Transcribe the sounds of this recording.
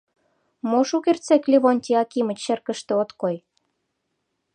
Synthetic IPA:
moʃukert͡seklʲiβonʲt̪ʲiɑkimə̆t͡ɕːĕrkə̆ʃt̪ĕot̪koj

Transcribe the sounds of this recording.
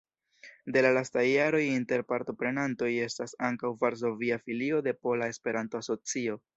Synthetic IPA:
de̞lalastajːaɾo̞jinte̞ɾpaɾto̞pɾe̞nanto̞je̞stasaŋkawvaɾs̬o̞viafilio̞de̞po̞lae̞spe̞ɾanto̞aso̞t͡sio̞

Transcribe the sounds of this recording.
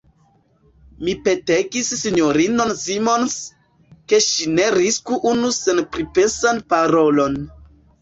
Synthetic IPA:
mipe̞teɡisːiɲoɾinonsimo̞ns | ke̞ʃine̞ɾiskuʔunuse̞npɾipesanpaɾo̞lo̞n

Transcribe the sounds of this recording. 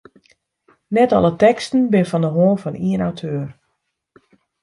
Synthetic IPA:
nɛtɑ̰lˠətɛkstən̩bɪnəfɔndəɦoːənfɔniənawtʰøːər

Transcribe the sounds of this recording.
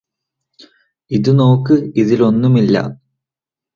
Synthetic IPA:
iðɨno̞ːkːɨiðilo̞nːumilːɐ̰

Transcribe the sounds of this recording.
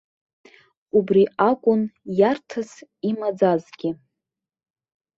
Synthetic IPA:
ubriakʷʼʊnjartʰasimad͡zazɡʲɪ

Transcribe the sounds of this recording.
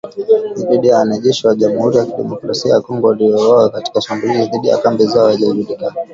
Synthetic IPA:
nibiɗijaːnɛʄɛʃiwaʄamuhuɾijakiɗɛ̰mɔkɾasiajakɔŋɡɔliɔɔakati̥kasambuhiziðiɗija̰kambizaɔhaʄazuɗika

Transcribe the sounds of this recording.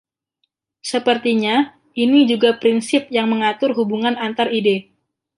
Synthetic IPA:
səpərt̪iɲa | ʔinid͡ʒuɡapɾinsɪp̚jaŋməŋat̪ʊrɦubuŋanant̪aride

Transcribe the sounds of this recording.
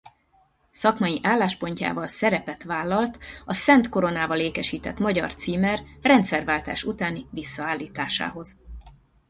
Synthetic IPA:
sɒkmɒjiʔaːlːaːʃpo̞ɲca̰ːvɒlsɛɾɛpɛt̪ʋaːlːɒlt̪ɒsɛnt̪ko̞ɾo̞naːvɒleːkɛʃiːt̪ɛt̪mɒɟɒ̰rt̪siːmɛrrɛnt̪sɛrvaːlt̪a̰ːʃut̪aːnivisːɒaːlːiːt̪aːʃa̰ːɦo̞z̥

